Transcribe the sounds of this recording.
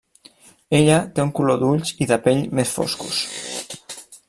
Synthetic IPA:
eʎat̪euŋkuloðuʎsiðapeʎmesfo̰skṵs

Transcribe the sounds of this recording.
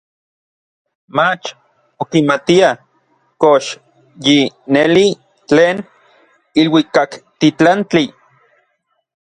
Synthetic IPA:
mat͡ʃ | okimat̪ia | koʃ | jineli | t͡ɬeːn | ilwikakt̪it͡ɬant͡ɬi

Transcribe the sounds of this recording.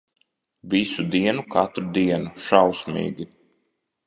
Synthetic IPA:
visud̪iɛnukat̪ɾud̪iɛnuʃawsmḭːɡi

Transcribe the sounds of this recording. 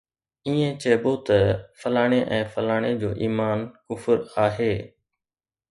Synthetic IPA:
iːẽt͡ɕɐːboːt̪ɐfəlaːɽ̃eʔɛ̃ːfəlaːɽ̃ed͡ʑoːʔiːmaːnkʊfəɾaːɦeː

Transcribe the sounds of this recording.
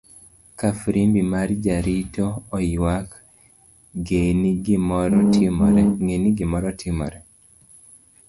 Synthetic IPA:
kafɾimbimaɾd͡ʒaɾitɔːiwak | ɡeniɡmimɛŋeniɡimɔɾɔtʰimɔ̰ɾɛ

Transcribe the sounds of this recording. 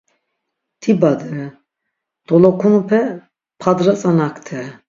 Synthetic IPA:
t̪ʰibad̪ɛ | d̪̥ɔlɔkʰunupʰɛ | pʰad̪ɾat͡sʼanakt̪ʰɛ

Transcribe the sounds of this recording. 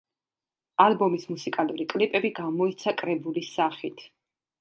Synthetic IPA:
alˠbɔmismusikʼaluɾikʼlipʼɛbiɡamɔit̪sʰakʼɾɛbulisaχit̪ʰ

